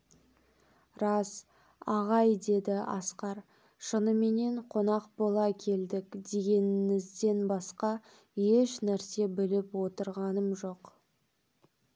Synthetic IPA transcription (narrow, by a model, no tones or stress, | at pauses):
ɾɑs | ɑʁɑjd̪e̞d̪ɪɑ̰sqɑɾ | ʃənəme̞ne̞ɴqʰo̞nɑqbo̞lˠɑkʲʰe̞ld̪ɪkd̪e̞ɡʲe̞nɪmɪzd̪e̞nbɑsqɑ | jeʃnæɾse̞bɪlɪpwo̞t̪əɾʁɑnəmʒo̞q